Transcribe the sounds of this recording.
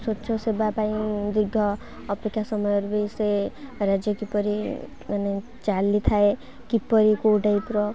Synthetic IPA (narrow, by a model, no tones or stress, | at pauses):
sɔtːʃʰɔsebapaĩd̪iɾɡʱɔː | pekʰːjasɔmɔjɔɾubejseɾad͡ʒjɔkipɔɾi | mane | t͡ʃalit̪ʰae | kipɔɾikuːɖʱajpɾɔ